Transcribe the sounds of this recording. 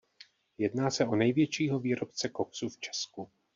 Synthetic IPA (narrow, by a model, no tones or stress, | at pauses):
jɛdnaːsɛʔo̞nɛjvjɛt͡ʃiːɦo̞viːɾo̞pt͡sɛkoksuft͡ʃɛ̥sku